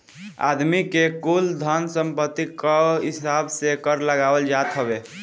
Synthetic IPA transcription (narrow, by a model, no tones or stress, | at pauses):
a̰d̪mikekuld̪ʱənsəmpət̪ːikəɦisabsekəɾləɡabəld͡ʒat̪ɦəbe